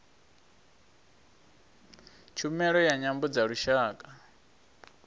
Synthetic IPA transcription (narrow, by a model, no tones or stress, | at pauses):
t͡ʃʰumɛɺɔjaɲambɔd͡zaɺuʃaːkʼa